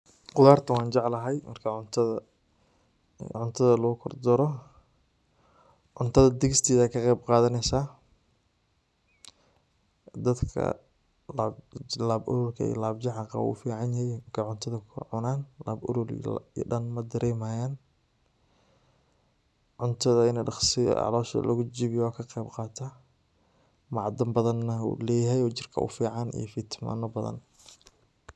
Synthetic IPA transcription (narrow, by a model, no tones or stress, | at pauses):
qʊðaːrt̪ʰɐwɑːnt͡ʃɑʕlɐɦɛjmʔɐ̰rkʰɐʊnt̪ʰ | ʕʊnt̪ʰɐðɐlɔɡʊkʰɔrd̪ɔɾɔ | ʕʊnt̪ʰɐðɐd̪ɪɣɪst̪ʰiːðaːkʰɐqɛjb̚qɑːðɐnɛjsaː | d̪ɐd̪kʰɐ̰ | lablaːbɔ̰ɾɔːlkʰɐ̰ḭːlaːbt͡ʃɑʕɑqɑ̰wṵːfiːʕɑnjɐhɛjmɐrkʰɐʕʊnt̪ʰɐðɐkʰʊ̰ʕʊnaːnlaːbʊ̰ɾɔl̰ɖɐnmɐd̪ɐɾʔɛːmaːjaːn | ʕʊnt̪ʰɐðɐɪnɛɖɑχsɪ̰ʔɑ̰lɔːʃɐ̰lʔɐɣʊt͡ʃiːβɪjɔkʰɐqɛːbqɑːt̪ʰa | mɑʕd̪ɐmbɐðɐnːɐṵlɛːjɐɦɛjɔːt͡ʃɪrkʰɐ̰ʊ̰fiːʕɑnḭjɞfit̪ʰma̰ːnɔbɐðɐ̰n